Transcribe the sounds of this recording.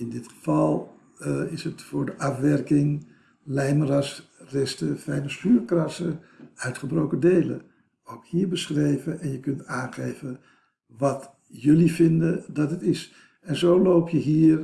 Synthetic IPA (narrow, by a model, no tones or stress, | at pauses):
ɪndɪtχə̥v̥ɑlˠ | ɪsətfʊːɹdəʔɑfʋɛɹkɪŋ | lɛjmərɑsrɛstəfɛjnəsyːɹkrɑsə | œɥtχəbrowkədejlə̰ | owkhiːɹbəsχrejvəʔɛnjəkɵntaːnχejvə | ʋɑt | jɵlivɪndədɑtɦətɪs | ɛnzowlowpʰjəɦiːr